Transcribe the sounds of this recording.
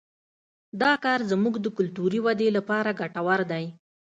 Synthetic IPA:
d̪ɑkɑɾzmuɡd̪əkʊlt̪uɾiwad̪elapɑɾaɡaʈawaɾd̪aj

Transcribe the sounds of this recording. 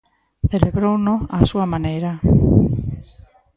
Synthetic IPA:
θeleβɾownoasuamanejɾa

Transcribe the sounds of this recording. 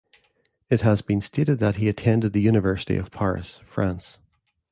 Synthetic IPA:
ɪt̚həzbĩnstʰeʔɪd̪̚ðəʔ̚hiɨtʰɛ̃ndɪd̪̚ðəjʉnɨvɜ˞sə̥tḭə̰v̥pʰaɹɪ̰sfɹãns

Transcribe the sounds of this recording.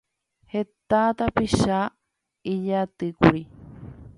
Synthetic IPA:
het̪at̪apiʃa | iʎat̪ɨkuɾi

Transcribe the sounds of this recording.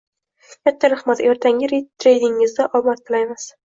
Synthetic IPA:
kʲʰat̪ʰːaɾaχmat̪eɾt̪ʰaŋʲɪɾit̪ɾejd̪ɪŋːɪzd̪aʔɒbat̪̚kʰɪlajmɪz̥

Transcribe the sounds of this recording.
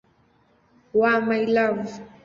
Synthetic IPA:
wamajlaw

